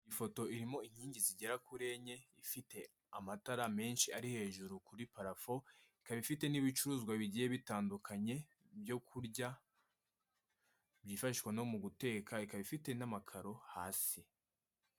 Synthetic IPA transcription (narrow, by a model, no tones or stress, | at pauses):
ifo̞to̞iɾimo̞iɲhiːɲɟiziɟe̞ɾakuɾe̞ɲe̞ifite̞ | amataɾame̞ːnʃiaɾihe̞ːʒuɾukuɾipaɾafo̞ikaβifite̞niβit͡ʃuɾuːzɡwaβiɟije̞βitaːndukʰaɲe̞ | bjo̞kʰuɾɟa | bjiːfaʃikwano̞muɡute̞ːkʰaikaβifite̞namakʰaɾo̞haːsi